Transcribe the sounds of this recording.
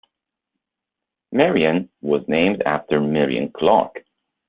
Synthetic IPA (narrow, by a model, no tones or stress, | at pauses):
mɛɹiɨ̃nwʌznẽɪ̃mdæ̰ftə˞mɪɹḭɨ̰̃nkʰl̥ɑ̰k